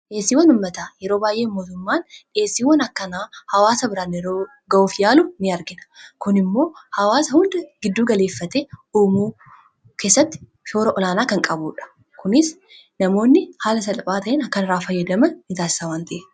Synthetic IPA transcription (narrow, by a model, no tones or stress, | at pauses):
ʔeːsːiːwɐnʊmːɐt̪aːjɛɾo̞ːbaːjʔe̞ːmːo̞ːt̪ʊmːaːnᶑe̞ːsːiːwɐnɐkːɐnaːhɐwaːsɐbɪɾaːnɪɾoː | ɡɐʔuːfjaːlʊnɪɐɾɡɪnɐ̥kʊnɪmːo̞ːhɐwaːsɐhʊnd̪ɐɡ̥ɪd̪ːuːɡɐle̞ːfːɐt̪eːuːmuː | ke̞ːsːɐt̪ːɪ̥ | ʃo̞ːɾɐʔɔlaːnaːkɐŋkʼɐbuːᶑɐ̥ | kʊnɪs | nɐmo̞ːnːɪhaːlɐsɐlɐpʼaːt̪ɐʔenɐkːɐnɪɾaːfɐjːɐd̪ɐmɐnːɪt̪aːsɪ̥saːwaːnt̪ɐʔe